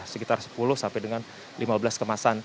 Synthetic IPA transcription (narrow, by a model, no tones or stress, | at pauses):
səkit̪arsə̥pulʊhsampɛjdəŋan | limabəlaskəmasan